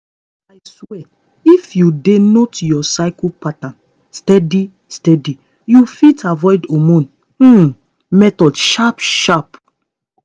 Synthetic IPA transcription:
aɪswɛ | ifjudenotjɔsaɪkupatãn | stɛdi | stɛdi | jufitʰavɔjdomũn̩ | mɛtɔdʃapʃap

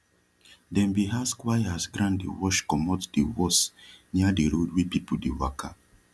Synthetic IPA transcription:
dɛ̃mbiɦaskwajasɡɾãndḭwɔʃkɔmɔtdiwɔsɲadiɾodwipipudiwa̰ka

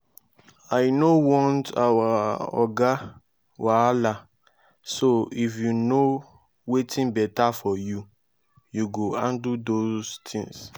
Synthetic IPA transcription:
ajnowɔ̃ntawaɔ̰ɡa | wala | soifjuno | wetʰĩnbɛtafɔju | juɡoãndudostʰḭ̃ŋs

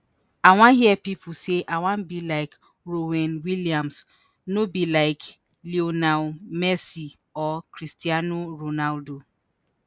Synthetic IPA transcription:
aw̃ãɦiɛpipʰʊseʔawãmbilaɪk | ɾowɛ̃nwiliãms | nobilaɪk | lionalmɛsi | ɔkɾistianoɾonaldo

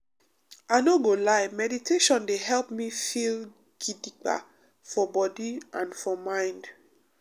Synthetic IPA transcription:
aɪnoɡolaɪmɛditʰeʃɔ̃ndeɦɛlpmifil | ɡ̥idik͡pa̰ | fɔbɔdiʔãnfɔmãɪ̃nd

